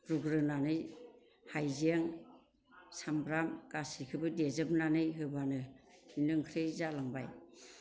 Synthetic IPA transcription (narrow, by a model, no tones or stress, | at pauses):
ɾuɡɾɯnanɯj | hajzeŋ | sambɾamkasikʰɯbɯdezɯbnanɯjɦɯbanɯinɯŋkʰɾejzalaŋbaj